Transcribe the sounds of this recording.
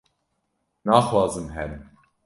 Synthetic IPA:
nɑːxwɑːzɨmɦɛɾɨm

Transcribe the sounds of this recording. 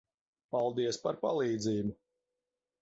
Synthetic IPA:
palˠd̪iɛspaɾpalˠiːd̪ziːbu

